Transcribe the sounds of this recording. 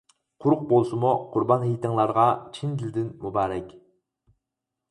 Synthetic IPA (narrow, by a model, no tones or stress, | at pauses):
qʰʊɾʊq̚bolˠsɨmuqʰʊɾbɑnhijt̪ʰɨŋlˠɑɾʁɑt͡ʃʰind̪ild̪ɪnmubɑːɾɛkʲ